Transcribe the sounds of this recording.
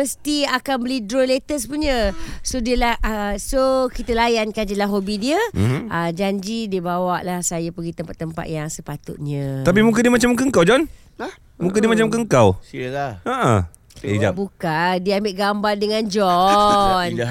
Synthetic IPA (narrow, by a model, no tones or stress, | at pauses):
məst̪iakanbəlidɾolet̪əspuɲəsodiəlahʔsokit̪əlajankand͡ʒəlaɦobidiəʔəd͡ʒaɲd͡ʒidiəbawaʔlahsajapəɡit̪əmpat̪ːəmpa̰t̪̚jaŋsəpat̪ʊ̰t̪̚ɲə̃ap̬imũk̬adiəmat͡ʃamk̬əŋkawd͡ʒɔn | mũŋk̬adiəmat͡ʃamkəŋkawsiəlaaʔə̰ | d͡ʒabukadiəambɪʔɡambardəŋãnd͡ʒɔ | n